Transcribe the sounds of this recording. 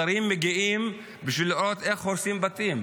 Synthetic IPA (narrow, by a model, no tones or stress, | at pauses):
ɐɾimːeɡiʔim | biʃviliɾot̪eχoɾsimbat̪im